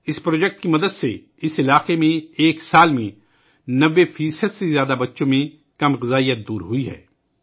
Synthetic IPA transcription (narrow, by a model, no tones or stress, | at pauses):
ɪspɾoːd͡ʒɛk̚ʈ̚kimɐd̪əd̪se | ɪsɪlaːqemẽeːksaːlmẽ | nɐʋːefiːsəd̪sezjaːd̪abɐtːʃõmẽ | kɐmɣɪzaːijət̪̚d̪uːɾɦʊiɦɛ̰ː